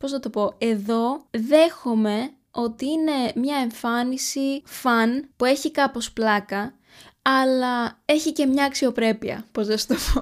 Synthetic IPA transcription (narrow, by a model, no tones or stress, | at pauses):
po̞znɐt̪o̞po̞e̞ðo̞ðe̞xome̞ | o̞t̪iine̞mɲɐe̞ɱfɐnisifɐnpue̞çikɐpo̞splɐkɐ | ɐlɐe̞çice̞mɲɐːksio̞pɾe̞piɐ̰po̞zðest̪opo